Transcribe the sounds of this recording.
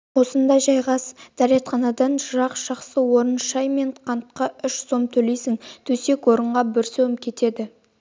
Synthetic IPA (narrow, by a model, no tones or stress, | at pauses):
wo̞sənd̪ɑjʒɑjʁɑsd̪̥æɾet̪χɑnɑd̪ɑnʒʊɾɑqʒ̥ɑχsəwo̞ɾənʃɑjme̞ɴqʰɑnt̪̚qɑʏʃso̞mt̪ʰɵle̞jsɪŋt̪ʰɵse̞kwo̞ɾəɴʁɑbɪɾsɵwmkʲʰe̞t̪e̞d̪ɪ